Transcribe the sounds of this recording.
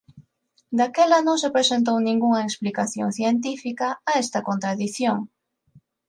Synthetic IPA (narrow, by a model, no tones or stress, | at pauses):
d̪akɛlɐnõŋsepɾesent̪̬ownĩŋɡuŋɐeksplikaθjoŋθjent̪̬ifikɐːɛst̪ɐkont̪ɾaðiθjoŋ